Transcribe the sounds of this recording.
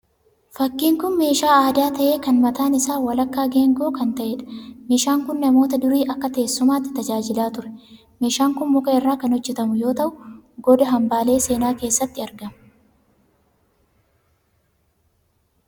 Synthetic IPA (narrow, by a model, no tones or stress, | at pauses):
fɐkːiːŋkʊnme̞ːʃaːaːd̪aːt̪ɐʔe̞ːkɐnmɐt̪aːnɪsaːwɐlɐkːaːɡe̞ːŋɡoːkɐnt̪ɐʔeːᶑɐ̥meːʃaːŋkʊnːɐmo̞ːt̪ɐd̪ʊɾiːʔɐkːɐt̪eːsːʊmaːt̪ːɪ̥t̪ɐd͡ʒaːd͡ʒɪlaːt̪ʊɾɛ̥ | me̞ːʃaːŋkʊnmʊkɐɪrːaːkɐnhɔd͡ʒːɛt̪ɐmʊjo̞ːt̪ɐʔʊɡɔd̪ɐɦɐmbaːle̞ːse̞ːnaːkeːsːɐt̪ːɪɐɾɡɐm